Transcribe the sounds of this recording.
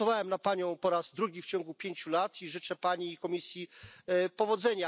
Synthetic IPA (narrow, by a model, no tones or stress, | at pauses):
ɔvawɛmnapaɲɔ̃w̃pɔɾazd̪ɾuɡʲift͡ɕɔ̃ŋɡupʲjeɲt͡ɕulat̪ʰiʐɘt͡ʂɛpaɲikɔmʲisʲjipɔvɔd̪zɛɲa